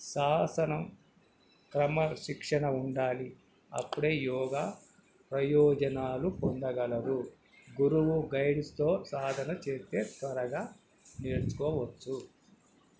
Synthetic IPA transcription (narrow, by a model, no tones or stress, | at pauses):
ʃaːsɐnɐm | kɾɐmɐʃikʂɐɳɐuɳɖaːli | ɐ̰pːuɽeːjɔːɡaː | pɾɐjɔːd͡ʒɐnaːlupɔɳɖ̪ɐɡɐlɐɾu | ɡuɾuwuɡɐjɽst̪o̞ːsaːd̪ʱɐnɐt͡ʃe̞ːt̪e̞ːt̪ʋɐɾɐɡaː | neːɾt͡ʃu̥kɔːʋɐt͡ʃːu